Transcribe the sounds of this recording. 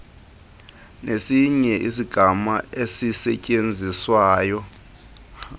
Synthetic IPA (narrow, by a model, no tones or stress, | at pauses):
nesiɲɛʔisiɡ̥ʱamaesisɛcʼend͡zʱiswaːjɔ